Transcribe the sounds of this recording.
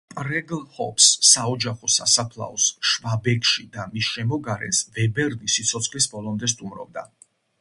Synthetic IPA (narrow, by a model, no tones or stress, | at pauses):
pʼɾɛɡlˠhɔpsːaɔd͡ʒaχɔsa̰sapʰlˠa̰ɔsʃvabɛkʰʼʃid̪amisʃɛmɔɡaɾɛ̰nsvɛbɛɾnisit̪sʰɔt̪sʰχlisbɔlˠɔmd̪ɛs̬t̪ʼumɾɔ̰b̚d̪a